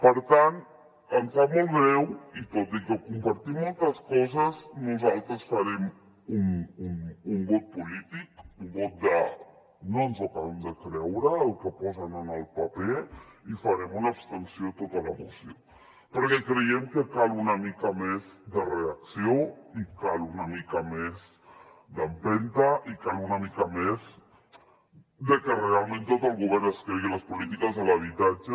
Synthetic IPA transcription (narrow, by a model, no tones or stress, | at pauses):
pəɾt̪ant̪ | ənfamolβɾɛwit̪ot̪ikəkumpaɾt̪imːolˠt̪əskɔzəznuzalˠt̪ɾəsfaɾɛm | ununuŋbot̪̚pulit̪ikuŋɡot̪̚d̪ə | nonzakaβɛmd̪əkɾɛwɾəlkəpɔzənənəlˠpapeifaɾemunapst̪ənsjot̪ot̪alamosjo | pəɾkekɾejemkekalunamikamezd̪əreaksjoikalunamikamez | d̪ampent̪aʔikalunamikamez | d̪ekerealmẽnt̪ot̪əlɣuβɛɾnəskeɣelaspolit̪ikazðəlaβit̪ad͡ʒa